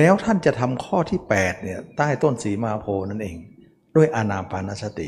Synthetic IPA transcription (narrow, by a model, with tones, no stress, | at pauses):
lɛː˦˥wt̪ʰa˥˩nt͡ɕa˨˩t̪ʰa˧mkʰɔː˥˩t̪ʰiː˥˩pɛː˨˩t̪̚ni˥˩ɐt̪aː˥˩jt̪o˥˩nsiː˨˦maː˧pʰoː˧na˦˥˩nʔeː˧ŋ | duː˥˩jʔaː˧naː˧paː˧na˦˥sa˧˥t̪ḭ˨˩ʔ